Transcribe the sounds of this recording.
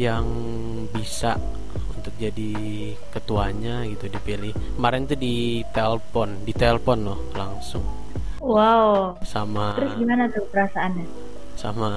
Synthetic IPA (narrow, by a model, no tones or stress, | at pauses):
jaŋ | bisa̰ʔ | unt̪ʊk̚d͡ʒadi | kət̪uaɲaɡit̪udipilɪh | maɾɛnt̪udit̪ɛlpɔndit̪ɛlfɔnlɔhlaŋsʊ̰ŋ | waw | samat̪ɾʊsɡimanad̪at̪əɾasaːna | sa̰ma